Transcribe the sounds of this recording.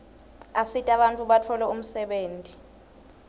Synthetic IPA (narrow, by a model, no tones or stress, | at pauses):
asitʼaɓantʼuɓatʰɔlɛum̩sɛɓeːntʼi